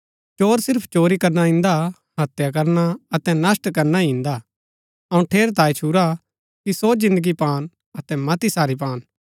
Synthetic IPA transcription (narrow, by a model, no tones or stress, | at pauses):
t͡ʃoːɾsɪɾpʰt͡ʃoːɾikɐɾnaɪ̃nd̪a | ɦɐt̪jak̬ɐɾnaɐt̪ɛ̃nɐsʈkɐɾnaĩnd̪a | ɐũʈʰeːɾt̪̬aːit͡ʃʰuɾa | kisod͡ʒɪ̃nd̪əɡipaːn | ɐt̪ɛmɐt̪isaːɾip̬ãːn